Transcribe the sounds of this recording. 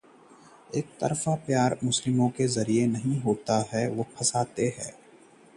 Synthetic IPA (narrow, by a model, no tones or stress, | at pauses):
eːk̚t̪ɐ̰ɾfapjaːɾmʊslɪmõkezɐɾienɐɦĩɦoːt̪aɦɛʋopʰɐsaːt̪eɦɛ̰ː